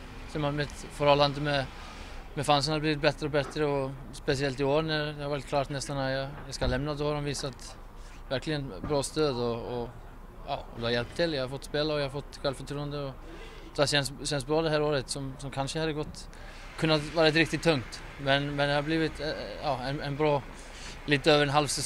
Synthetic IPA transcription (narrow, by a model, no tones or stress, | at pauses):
sɔmamɛt̪ | fɔɾhɔlːand̪əmɛ | mɛfans̬ənhad̪bliːɪt̪bɛt̪ːɾəɔbɛt̪ɾəɔ | spɛsɪɛlt̪ɪoːɾnæɾd̪ɛhɑɾɑːɾɪt̪kʰlɑːɾt̪nɛst̪anat̪jɑjaskalɛmnad̪ɔhɑɾɔmviːsat̪ | væɾklɪɡənbɾɑːst̪øːd̪ɔː | jɑ̰ːɔd̪ʉhaɾjɛlp̚t̪ʰːɪljahaɾfɔt̪ːspeːlaɔjahaɾfɔt̪ːɧɛlfœʈʰɾuːənd̪əɔ | d̪̥ɛhaɕɛnsɕɛnsbɾɑːd̪ɛɦæːɾoːɾət̪sɔmsɔmkʰanʂəhɑd̪ːəɡɔt̪ː | kʰɵnːat̪vɑːɾɪt̪ɾɪkt̪ɪt̪ʰːɵŋkt̪ | mɛnmɛnd̪ɛhaɾbliːvɪt̪ɑːɛnɛnbɾɑː | liːt̪əøːvəɾɛnɦalvsɛ